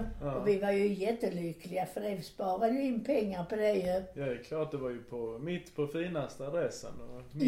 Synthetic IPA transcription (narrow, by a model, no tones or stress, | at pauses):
ɔvɪvaɾjɵjɛt̪ːəlʏklɪɡafœdɛvspɑːɾad̪əjɵɪnːpʰɛŋːaɾpɔd̪ɛjɵjaɛɾkʰlɑːʈ̚d̪ɛvaɾjɵpʰɔmɪt̪ːpʰɔfiːnast̪əad̪ɾɛsə̰nɔ